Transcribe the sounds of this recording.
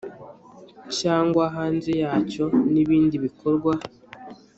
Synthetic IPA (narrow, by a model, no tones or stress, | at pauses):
caːŋɡwaɦaːnzejaːco̞niβiːndiβikʰoɾɡwa